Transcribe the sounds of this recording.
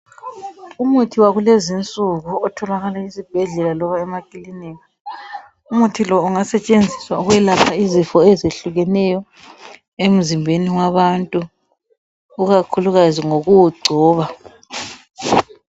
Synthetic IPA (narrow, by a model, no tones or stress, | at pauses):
umutʰiwaɣulezint͡sʼuɣuɔtʰɔlaɣalaizib̥ʱɛɮɛlalɔβaɛmakʼiliniːna | umutʰilɔuŋasɛt͡ʃʼend͡zʱiswauɣwɛlapʰaizifɔezeɬuɣɛnɛjɔ | em̩zimbʱeniwaβantʼu | ɣakʰuluɣaziŋoɣuwuɡ͡ǀʱɔːβa